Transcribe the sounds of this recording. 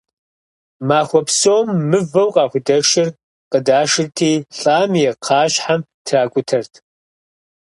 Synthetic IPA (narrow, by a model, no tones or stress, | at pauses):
maːxʷɔpsoːmːɨvɐwqʼɑːxʷʊdɐʂɪr | qədaːʂɨrtʰiːɬʼaːmjɛqʰɑːɕħam | tʰraːkʷʼʊtʰɐrtʰ